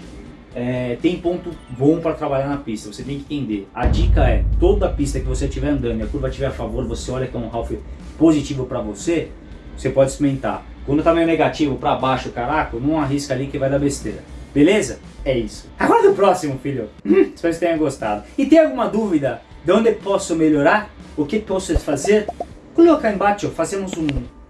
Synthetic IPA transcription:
ɛt̪ẽj̃põnt̪ʊbõpɾɐt̪ɾabaʎaɾnɐpist̪ɐvoset̪ẽj̃kɪ̃t̪ẽnd̪eɐd͡ʒikɐɛt̪od̪ʊɐpist̪ɐkɪvoset͡ʃivɛɾɐ̃nd̪ɐ̃nʊɐkuɾvɐt͡ʃivɛɾafavoɾvoseɔʎɐkɛũɦawfɪpozit͡ʃivʊpɾɐvose | vosepɔd͡ʒɪsumẽnt̪a̰ | kwɐ̃nd̪ʊt̪amejʊneɡat͡ʃivʊpɾɐbaʃʊkaɾakʊnɐ̃w̃aɦiskɐalikɪvajd̪ɐbest̪eɾɐbelezɐ | ɛisʊ̥aɡɔɾɐd̪ʊpɾɔsimʊfiʎʊspest̪ẽj̃ɐɡost̪ad̪ʊɪt̪ẽj̃awɡũmɐd̪uvid̪ɐ | d̪ɪõnd̪ɪepɔsʊmeʎoɾaɾʊkepɔsʊdɪfazeɾ | kolokaẽbat͡ʃʊfazẽmʊzũ

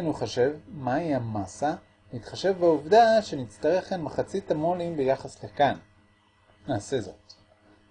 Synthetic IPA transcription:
nuχoʃe̞vmaiamasa | nitχaʃe̞vbauvdaʃe̞nit͡staʁe̞χanmaχat͡sitamo̞limbejaχaslekan | naːse̞zo̞̰t

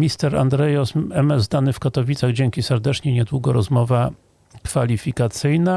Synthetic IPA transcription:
mʲist̪ɛɾa̰nd̪ɾɛjɔsɛmɛzd̪anɘfkat̪ɔvʲit̪saɣd͡ʑɛŋkʲisɛɾd̪ɛt͡ʂɲɛɲɛd̪wuɡɔɾɔzmɔva | kfalʲifʲikat̪sɘjna

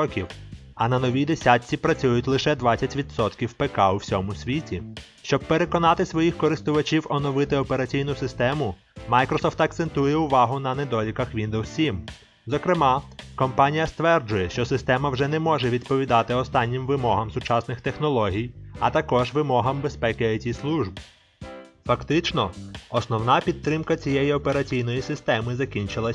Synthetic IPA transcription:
ɔkʲiwɐnɐnɔʋʲijd̪esʲatʲt͡sʲipɾɐt͡sʲujʊtʲlˠɪʃɛd̪ʋɑt͡sʲːɐtʲʋʲid̪sɔt̪kʲiwpekɑuwsʲɔmʊsʲʋʲitʲi | ʃt͡ʃɔb̚peɾe̞kɔnɑt̪ɪsʋɔjixkɔɾɪst̪ʊʋɐt͡ʃʲiwɔnɔʋɪt̪ɪɔpeɾɐt͡sʲijnʊsɪst̪ɛmʊ | mɑjkɾɔsɔft̪ɐk̚t̪sent̪ujɛʊʋɑɦʊnɐned̪ɔlʲikɐxʋʲind̪owsʲim | zɔkɾɪmɑkɔmpɑnʲijɐst̪ʋɛrd͡ʒʊjɛʃt͡ʃɔsɪst̪ɛmɐwʒɛnɛmɔʒɛʋʲid̪pɔʋʲid̪ɑt̪ɪɔst̪ɑnʲːimʋɪmɔɦɐmsʊt͡ʃɑsnɪxt̪exnɔlˠɔɦʲijɐt̪ɐkɔʒʋɪmɔɦɐmbespɛkɪɐtʲislˠuʒb | fɐkt̪ɪt͡ʃnɔɔsnɔwnɑpʲid̪̚t̪ːɾɪmkɐt͡sʲijejiɔpe̞ɾɐt͡sʲijn̪ɔjisɪst̪ɛmɪzɐkʲinʲt͡ʃɪlˠɐsʲ

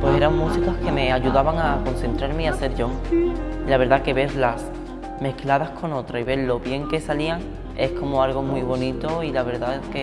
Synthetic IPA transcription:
pwe̞se̞ɾaŋmusikahke̞me̞aʝuðaβaŋakon̟θe̞nt̪ɾaɾmeiase̞ɾʝo̞ | ilaβeɾðake̞βe̞ɾlas | me̞hklað̞ahkʰo̞no̞t̪ɾaiβe̞ɾlo̞βje̞ŋke̞saliaŋ | e̞hko̞moalɣ̞o̞mwiβo̞nit̪o̞ilaβe̞ɾðake

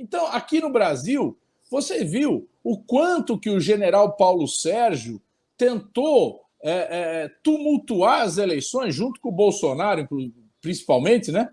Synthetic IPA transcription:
ẽnt̪ɐ̃w̃akinʊbɾaziw | voseviw | ʊkwɐ̃nt̪ʊkɪʊʒeneɾawpawlʊsɛɾʒʊ | t̪ẽnt̪o | ɛɛɛt̪umuwt̪uaɾɐzelejsõj̃zʒũt̪ʊ̥kõʊbowsonaɾʊĩklu | pɾĩsi̥pawmẽnt̪ɪnɛ

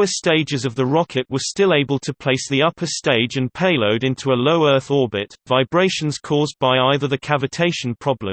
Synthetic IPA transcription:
əsteɪd͡ʒɪzəvðəɹɒkʰɪʔwə̥stɪleɪbəlˠtʰəpʰl̥eɪsðiʌpʰə˞steɪd͡ʒɨ̃npʰeɪloʊɾɪ̃ntʰuəloʊɜˑ˞θɔɹbɪtv̥aɪbɹeɪʃə̃n̩z̥kʰɔːzbaɪaɪðəðəkʰavɨtʰeɪʃə̃n̩pʰɹ̥ɒblə̰̃m

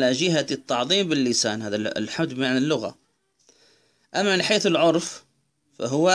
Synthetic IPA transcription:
laʒɪɦat̪ːɑʕðˤiːmbɪlːɪsaːnɦaːða̰lħamd̪bmaʕanɪlːʊɣa̰ | ʔamːamɪnħeːθɪlʕʊɾˤf | fa̰ɦʊwːa

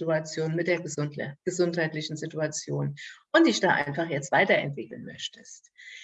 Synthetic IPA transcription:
tuat͡sjoːnmɪt̚d̥eːɐɡ̥əzʊnthaɪtlɪçn̩zɪtuat͡sjoːnʔʊntd̥ɪçd̥aːʔa̰ɪnfaχjɛt͡stv̥aɪtɐɛ̰ntv̥ɪkl̩nmœ̰çtəst

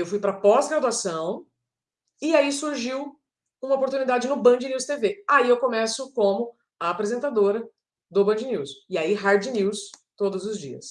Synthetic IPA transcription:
ewfujpɾɐpɔzɡɾad̪uasɐ̃w̃ | ɪaisuɾʒiw | ũmɐopoɾt̪unid̪ad͡ʒɪnʊbɐ̃d͡ʒɪniwst̪eveaiewkõmɛsʊkõmʊ | aːpɾezẽnt̪ad̪oɾɐ | d̪ʊbɐ̃d͡ʒɪniwsɪaiɦaɾd͡ʒɪniwst̪od̪ʊzʊzd͡ʒḭɐ̰s

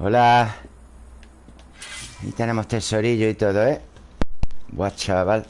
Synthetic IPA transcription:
ola | ḭt̪ene̞most̪eso̞ɾiʎoit̪oðoe | bwat͡ʃaβal

